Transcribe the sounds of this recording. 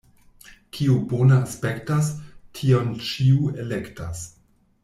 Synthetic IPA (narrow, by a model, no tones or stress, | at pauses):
kʰiubonaaspektastʰio̞nt͡ʃiuelekta̰s